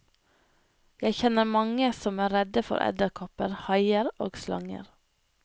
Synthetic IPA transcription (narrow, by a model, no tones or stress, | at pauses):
jæɪçɛnəɾmɑŋəsɔmæːɾɛd̪əfɔ̰ɾʔɛ̰d̪əɾkʰɔpəɾhɑɪəɾoːɡslɑ̰ŋə̰ɾ